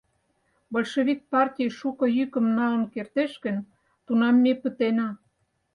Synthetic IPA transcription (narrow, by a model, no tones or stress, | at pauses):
bolʲʃeβʲik̚pɑrtʲijʃukŏjykə̆mnɑlə̆nkert̪eʃkə̆n | t̪unɑmːepət̪enɑ